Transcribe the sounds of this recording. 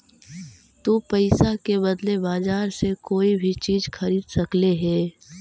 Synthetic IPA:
t̪oːpɐɪsakebɐd̪lebaːzaːɾsekoːibʱit͡ʃiːzxɐɾiːd̪sɐkleɦɛː

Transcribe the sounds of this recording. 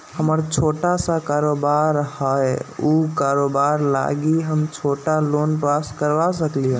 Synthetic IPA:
həməɾt͡ʃʰoʈasakaɾobaɾhəjukaɾobaɾla̰ɡiɦəmt͡ʃʰoʈalonpaskəɾʋasəkliɦə̃

